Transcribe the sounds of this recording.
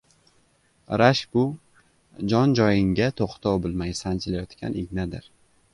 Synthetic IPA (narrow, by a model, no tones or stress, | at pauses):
ɾaʃbʊ | d͡ʒɒnd͡ʒɒjɪŋɡʲat̪ʰoqt̪ʰɒwbɪlˠmajsant͡ʃʰɪlajɒt̪kʲa̰nɪɡʲnad̪ɪɾ